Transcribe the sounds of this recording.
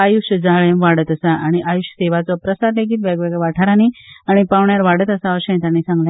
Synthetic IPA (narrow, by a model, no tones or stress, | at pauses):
ajuɕjəd͡zaɭẽmʋaɽət̪əsaʔaɽ̃iʔajuɕjəseʋat͡sɔpɾəsaɾleɡiːt̪ʋjaɡʋeɡʋaʈʰaɾaniaɽ̃ipaʋɳjaɾʋaɽət̪əsaʋəɕə̃t̪anisãŋɡljã